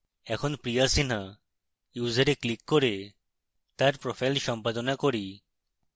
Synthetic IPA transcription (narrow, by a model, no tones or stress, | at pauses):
ɛkʰonpɾijasin̤a | juːzaɾeklikːoɾe | t̪aɾpɾofʰajlʃɔmpad̪onakoɾi